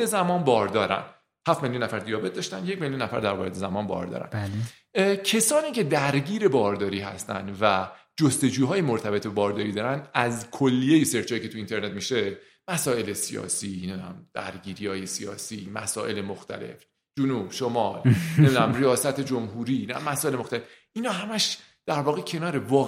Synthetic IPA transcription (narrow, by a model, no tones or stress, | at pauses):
ezæmɒːnbɒːɾd̪ɒːɾæ̰n | hæftme̞ljunːæfæɾd̪ijɒːbet̪̚d̪ɒːʃt̪ænje̞cmeljunːæfæ̰ɾd̪æɾvɒːɾed̪ezæmɒːnbɒ̰ɾd̪ɒ̰ːɾæ̰n | cʰe̞sɒːniːcʰe̞d̪æɾɟiːɾe̞bɒːɾd̪ɒːɾiːɦæ̰st̪æ̰nd̪væ | d͡ʒost̪e̞d͡ʒuːɦɒːjemoɾt̪ʰæbe̞t̪be̞bɒːɾd̪ɒːɾiːd̪ɒːɾænd̪æzkʰolːijejese̞ɾt͡ʃʰɒːjicʰe̞t̪uint̪ʰe̞ɾne̞t̪miʃe̞ | mæsɒːe̞lesijɒ̰ːsinemd̪næ̰md̪̥æ̰ɾɡiːɾihɒːje̞sijɒ̰ːsiːmæ̰sɒːʔe̞lemoxt̪ʰæ̰le̞̰f | d͡ʒunub̥ʃomɒlnemid̪næmɾijɒːsæt̪ʰe̞d͡ʒomɦuɾiːnæmːæsɒːe̞lemoxt̪ælefʔinɒːɦæmæʃ | d̪̥æɾvɒːɣecʰe̞nɒːɾe̞vɒː